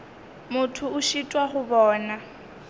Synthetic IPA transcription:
mʊtʰʊʊʃitʼwaχʊbɔːna

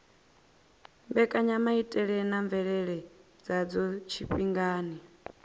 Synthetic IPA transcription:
mbɛkʼaɲamaitʼɛɺɛnaɱvɛɺɛɺɛ | d͡zad͡zɔt͡ʃʰiɸʼiŋɡaːni

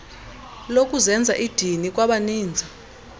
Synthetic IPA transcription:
lok̬ʼuzɛnd͡zʱa̰ʔid̥ʱinik̬ʼwaɓaniːnd͡zʱa

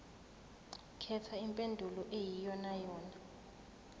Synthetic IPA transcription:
kʰɛtʰaimpʼendʱulɔʔejijɔnajɔːna

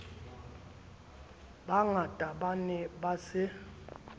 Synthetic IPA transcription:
ɓaŋatʼaɓanɛɓasɪ

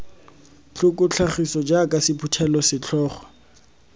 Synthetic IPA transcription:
t͡ɬʊkʼʊt͡ɬʰaχisɔd͡ʒakʼasɪpʰutʰɛlɔsɪt͡ɬʰɔːχɔ̥

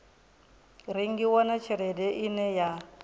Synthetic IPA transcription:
ɾiŋɡiwɔnat͡ʃʰiɾɛdɛʔinɛja

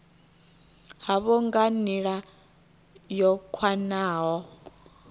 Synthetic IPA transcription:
haβɔŋɡaniɺa | jɔkʰwanaːɦɔ

